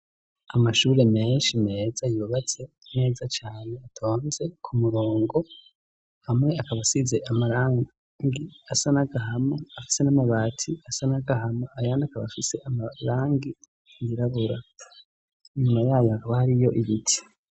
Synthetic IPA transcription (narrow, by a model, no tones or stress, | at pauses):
amaʃuːɾe̞me̞ːnʃime̞ːzajuːβat͡se̞ | ne̞ːzat͡ʃaːne̞atʰo̞ːnze̞kʰumuɾoːŋɡo̞ | hamŋe̞akaβasize̞ʔamaɾaːŋ | ŋɡiasanaɡaɦamaafi̥se̞namaβaːtʰiasanaɡahamaajaːndakaβa̰fise̞ʔamaɾaːŋɡi | jiɾaβuɾa | iɲumajaːjoakaβahaɾijo̞ʔiβitʰi̥